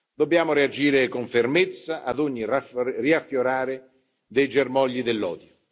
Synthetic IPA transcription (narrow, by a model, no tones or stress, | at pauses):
d̪obːjaːmʊɾead͡ʒiːɾɪkʊɱfermɪt̪sːaʔad̪ʊɲːirariafːjoɾaːɾɪ | d̪ejd͡ʒermɔʎːid̪elːɔ̰ːd̪jo